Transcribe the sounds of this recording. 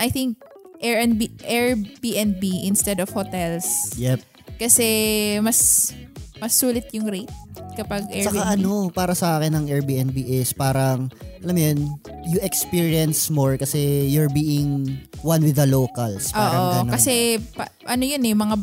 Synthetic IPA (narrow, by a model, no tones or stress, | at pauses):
ʔɐjθiŋk̚ʔɛɹɛnbiʔɛɹbiʔɛnbiʔɪnst̪ɛd̪ɔfhot̪ɛlsjɛp̚ | kɐsɛmɐs | mɐsːuːlɪt̪jʊŋɾet̪̚kɐpɐɡɛt͡ʃːɐkaʔɐnopaːɾɐsɐʔaːkɪnɐŋʔɛɹbiːʔɛnbiʔɪspaːɾɐŋʔɐlɐmjɐn | jʊʔɛkspiɹiɐnsmoɹkɐsɛjʊɹbiːʔɪŋwɐnwɪðɐloːkɐlspoaːʔɾɐoɐnkɐsɛpɐ | ʔɐnojonɛmɐŋa